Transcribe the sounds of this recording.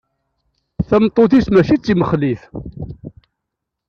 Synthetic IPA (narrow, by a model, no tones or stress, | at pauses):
θæmt̪ˤːoθismæʃit͡sːiməχliθ